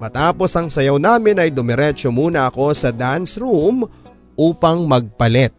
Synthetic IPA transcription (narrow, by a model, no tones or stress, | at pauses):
mɐt̪aːpo̞sɐŋsɐjɐwnaːmɪnɐjd̪ʊmɛɾɛt͡ʃomuːnɐɐko̞sɐd̪ansɾum | ʔuːpɐŋmɐɡ̚pɐlɛt̪̚